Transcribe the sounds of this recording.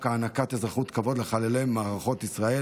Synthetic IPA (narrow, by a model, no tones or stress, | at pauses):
kaːnakat̪ezʁaχut̪kavo̞d̪leχalelejmaːʁaχo̞t̪isʁae